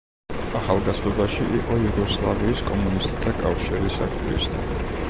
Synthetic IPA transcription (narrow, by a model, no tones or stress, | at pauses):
aχalˠɡazɔbaʃiʔiqʼɔjuɡɔslˠaviːskʼɔmunist̪ʼt̪ʰakʼafʃiɾisa̰kʰʼiɾḭst̪ʰa